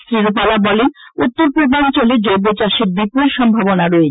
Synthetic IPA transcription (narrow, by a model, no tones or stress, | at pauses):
sɾiɾopalabɔlenut̪ːoɾpɾod̪ʱant͡ɕoled͡ʑɔjbot͡ɕaʃeɾbipuɾʃɔmbʱaβonaɾɔe